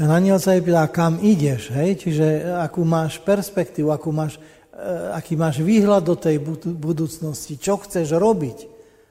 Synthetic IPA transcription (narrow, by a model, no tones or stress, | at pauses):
naɲɪɛlsaip̬ɛt̪aːkamiɟɛʒɦɛjt͡ʃiʒɛakuːmaːʃpɛɾspɛkt̪iːʋuakuːmaːʃ | akiːmaːʒʋiːɦlad̪ːɔt̪ɛjbubud̪uːt͡snɔscit͡ʃɔxt͡sɛʒɾɔbic